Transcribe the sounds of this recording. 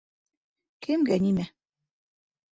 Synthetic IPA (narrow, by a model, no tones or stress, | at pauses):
kʰɘ̆mɡænimæ